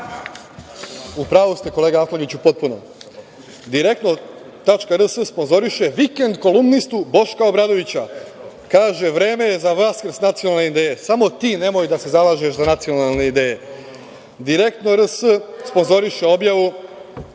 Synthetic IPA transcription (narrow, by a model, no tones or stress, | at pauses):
upɾaːʋust̪e̞ko̞leːɡaak̪loɲit͡ɕupo̞t̪̚punom | d̪iɾe̞k̚t̪no̞ | t̪at͡ʃkaɾəsəspo̞nzo̞ɾiʃe̞ʋike̞nd̪ko̞lumnist̪ubo̞ʃkaobɾad̪o̞ʋit͡ɕakaːʒe̞ʋɾe̞ːme̞jezaʋaskɾsnat̪sijonalneid̪eːjesamo̞t̪iːne̞mo̞jd̪ase̞zalaːʒeʃzanat̪sio̞nalˠne̞id̪e̞ːje̞ | d̪iɾe̞kt̪no̞ɾəsəspo̞nzo̞ɾiʃe̞o̞bjaʋu